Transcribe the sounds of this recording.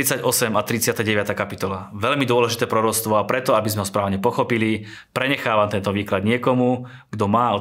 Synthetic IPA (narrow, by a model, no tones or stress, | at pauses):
it͡saɟɔsɛmat̪ɾit͡sɪat̪aɟɛʋat̪aːkapit̪ɔlaʋɛʎmid̪ʊɔlɛʒit̪ɛːpɾɔɾɔt͡sst̪ʋɔapɾɛt̪ɔabizmɛɦɔspɾaːʋɲɛpɔxɔpili | pɾɛɲɛxaːʋamt̪ɛnt̪ɔʋiːklad̪ɲɪɛkɔmu | ɡd̪ɔmaːɔ